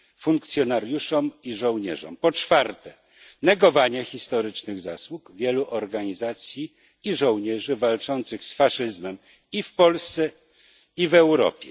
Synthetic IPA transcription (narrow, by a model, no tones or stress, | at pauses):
fuŋkt̪sʲjɔnaɾjuʂɔmiʐɔ̃w̃ɲɛ̰ʐɔ̰mpɔt͡ʂfaɾt̪ɛ | nɛɡɔvaɲɛxʲist̪ɔɾɘt͡ʂnɘɣzaswukvʲjɛluʔɔɾɡaɲizat̪sʲji | iʐɔ̃w̃ɲɛʐɘvalt͡ʂɔnt̪sɘxsfaʂɘzmɛm | ifpɔlst̪sɛ | ivɛwɾɔ̰pʲjɛ